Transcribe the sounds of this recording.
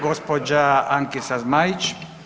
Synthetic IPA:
ɡospod͡ʒaaŋkisazmajit͡ʃ

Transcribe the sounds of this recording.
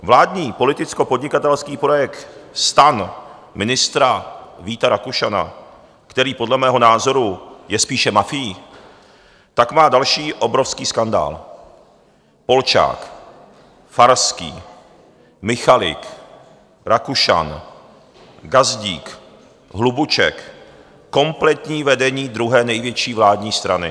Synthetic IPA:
vlaːdɲiːpo̞lɪt̪ɪt͡sko̞po̞dɲɪkat̪ɛlskiːpɾojɛkt̪st̪an | mɪnɪst̪ɾaviːt̪aɾakuʃana̰ | kt̪ɛɾiːpo̞dlɛmɛːɦo̞naːzo̞ɾujɛspiːʃɛmafɪji | t̪akmaːdalʃiːʔo̞bɾofskiːskanda̰ːl | po̞lt͡ʃa̰ːk | faɾskḭː | mɪxalɪ̰k | ɾakuʃa̰n | ɡazɟiːk | ɦlubut͡ʃɛ̰kː | o̞mplɛt̪ɲiːvɛdɛɲiːd̪ɾuɦɛːnɛjvjɛt͡ʃiːvlaːdɲiːst̪ɾanɪ̰

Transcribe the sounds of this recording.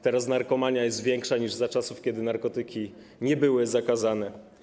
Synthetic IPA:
t̪ɛɾasnaɾkɔmaɲajɛst̪vʲjɛŋkʂaɲiʐzat͡ʂasufkʲɛd̪ɘnaɾkɔt̪ɘkʲi | ɲɛbɘwɘzakazanɛ

